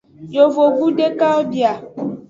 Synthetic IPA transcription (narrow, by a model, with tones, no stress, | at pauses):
jo˨vo˨ɡu˦ɖe˦ka˦o˦bi˨a˨